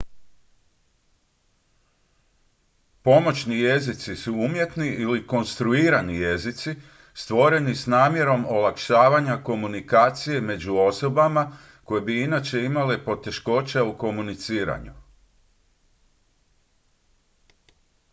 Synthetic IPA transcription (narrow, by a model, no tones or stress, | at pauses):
po̞mo̞t͡ɕnije̞zit̪sisuumje̞t̪niʔiliko̞nst̪ɾuiːɾanije̞zit̪si | st̪ʋo̞ɾe̞nisnaːmje̞ɾo̞mo̞lakʃaːʋaɲako̞munikaːt̪sije̞me̞d͡ʑuo̞so̞bama | ko̞jebiinat͡ɕe̞imale̞po̞t̪e̞ʃko̞t͡ɕauko̞munit̪siːɾa̰ɲu